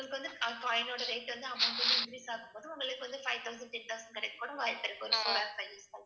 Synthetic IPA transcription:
ʊɡɐɭɯkːɯʋɐnd̪ɯɐpaːjɪnoːɽɐɾeɪʈːʋɐnd̪ɯɐmːɐkːɯʋɐnd̪ɯɪnd̪ɾiːsaːkɯmpoːðɯʊŋɡɐɭɯkːɯʋɐnd̪ɯfɐɪʋt̪ɐʊs̬ɐɳɖʈ̪ɛnt̪ɐʊsɐnkɐɽɛɪkːɐkːuːɽɐ̃ʋaːjɐɾpːɛɾɐkːɔɾfoːɾaːɾfɐɪjiːsɐl

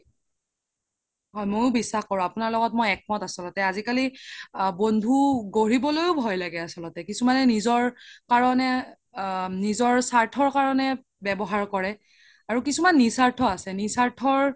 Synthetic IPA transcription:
ɦɔjmojʊbisːaxkɔɹɔ̃apunaɹlɔɡɔtmojɛk̚mɔtasɔlɔtɛazikalibondʱuɡoɹibɔlojʊbʱɔjlaɡɛasɔlɔtɛkisumanɛnizɔɹkaɹɔnɛ | nizɔɹsaɹtʰɔɹkaɹɔnɛ | bɛbɔɦaɹkɔɹɛ | aɹukisumanːisaɹtʰɔasɛnisaɹtʰɔɹ

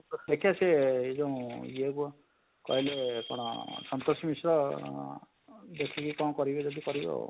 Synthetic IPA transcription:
d̪ekʰijaseed͡ʒɔ̃ũieku | kɔ̰ɦilekɔɽ̃ɔ̰sɔnt̪osɔmisɾɔ | d̪ekʰikikɔɽ̃ɔkɔɾibed͡ʒɔd̪ikɔɾibɔ̰

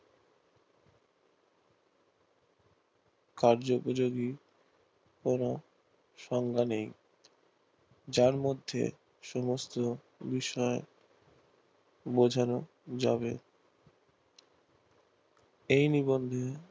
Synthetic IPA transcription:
kaɾd͡ʑopod͡ʑoɡi | kono | ʃɔŋɡʱanej | d͡ʑaɾmod̪ʱːḛ | ʃɔmost̪o | biʃɔe | bod͡ʑʱano | d͡ʑa̰βḛ | ejnibond̪ʱe

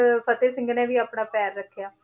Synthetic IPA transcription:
pʰət̪eːsɪ̃ŋɡnɛ̃ːʋiːəpɳaːpɛːɾːəkʰːjaː

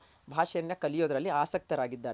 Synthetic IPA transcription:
bʱaːʂɐnjɐkɐlijoːd̪ɐɾɐlːiaːsɐk̚t̪ɐɾaːɡid̪ːaːɾ

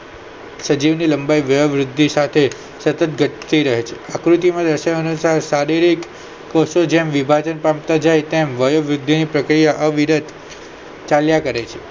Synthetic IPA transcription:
səd͡ʒiʋniləmbajʋəjəʋɾʊd̪ʱːisat̪ʰe | sət̪ət̪ɡʱəʈt̪ʰəiɾəɦet͡ʃʰeakɾut̪imãd̪ɾəʃaənusaɾsaɾiɾikː | ɔsod͡ʒemʋibʱad͡ʒənpɾamt̪ad͡ʒajt̪emʋəjəʋɾʊd̪ʱːinipɾəkɾijaʔəʋiɾəd̪ | t͡ʃaljakəɾet͡ʃʰe

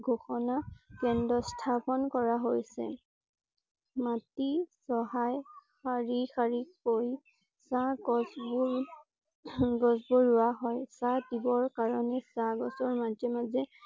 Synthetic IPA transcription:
ɡʱoxɔnakɛndɔstʰapɔnkɔɹaɦojsɛ̰ | matisɔɦajxaɹixaɹikoj | saɡɔsbu | ɡɔzboɹʊwaɦɔjsadibɔɹkaɹɔnɛsaɡɔsɔɹmad͡ʒɛmazɛ

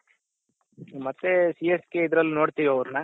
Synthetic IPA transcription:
mɐt̪ːesijeskeid̪ɾɐlːunoːɽt̪iʋiɐʋɾunɐ

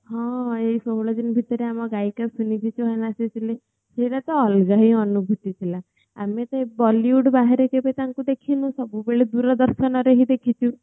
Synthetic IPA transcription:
hɔ̃eisɔɦɭɔd͡ʒinbʱit̪ɔɾeamɔɡajkapsunibʱit͡ʃʰuɦɔjnasit͡ʃʰile | seɽat̪ɔːlɡaɦiɔnubʱut̪it̪ʰila | amet̪ɔebɔliuɖbaɦeɾekebet̪aŋkud̪ekʰinũsɔbubeɭed̪uɾɔd̪ɔɾʃɔnɔɾeɦid̪ekʰit͡ʃʰu

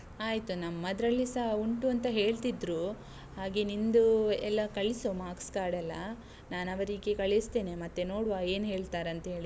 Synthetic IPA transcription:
aːjt̪unɐmːɐd̪ɾɐlːisɐɦuɳʈuɐnt̪ɐɦe̞ːɭt̪id̪ɾuː | ɦaːɡenind̪uɛlːɐkɐɭisomaːkskaːɽɐlːɐ | naːnɐʋɐɾiɡekɐɭest̪eːnemɐt̪ːe̞noːɽuʋaːe̞ːnɦe̞ːɭt̪aːɾɐnt̪ɐɦe̞ːɭi

